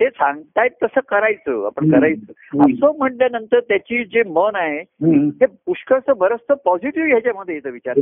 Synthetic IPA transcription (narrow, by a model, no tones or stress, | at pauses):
t̪esãŋɡt̪ajt̪ːəsəːkəɾajt͡sə̰ːa̰pəɳkəɾajt͡səːapsəm̤əɳljanənt̪əɾt̪jat͡ɕiːd͡ʑemənaɦeɦepuʂkəsəbəɾəst̪əpɔd͡ʑiʈiʋɡʱet͡ɕjam̤əd̪ʱːjejet̪əʋit͡ɕaɾ